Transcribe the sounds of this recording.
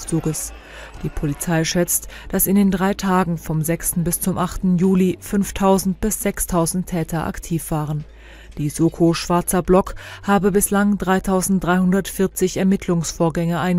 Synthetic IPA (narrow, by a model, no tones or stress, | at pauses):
t͡suːɡəs | d̥iːpʰolit͡saɪʃɛt͡std̥asɪndeːndʁaɪtʰaːɡŋ̩fɔmzɛkstn̩bɪst͡sʊmʔaχtn̩juːlifʏnftʰaʊzn̩tb̥ɪsz̥ɛkstʰaʊzn̩tʰɛːtʰɐʔa̰ktʰiːfv̥aːʁən | d̥iːzoːkʰoʃv̥aɐt͡sɐblɔkhaːbəbɪslaŋdʁaɪtʰaʊzn̩t̚d̥ʁaɪhʊndɐtfɪɐt͡sɪçɛɐmɪtʰlʊŋsfoːɐɡɛŋəʔaɪn